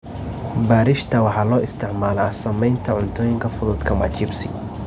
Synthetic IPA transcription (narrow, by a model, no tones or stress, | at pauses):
baːɾɪʃt̪ʰɐwɑħɑlɔːʔɪst̪ʰɪʕmaːlɐɐsɐmɛjnt̪ʰɐʕʊnt̪ʰɔːjɪŋkʰɐfʊðʊd̪kʰɐmɐ̰t͡ʃʰɪbsɪ̰